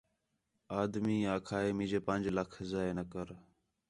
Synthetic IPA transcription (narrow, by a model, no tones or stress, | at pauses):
aːd̪miːaːkʰaːeːmĩːd͡ʒeːpənʲd͡ʒləkʰzaːeːnəkəɾ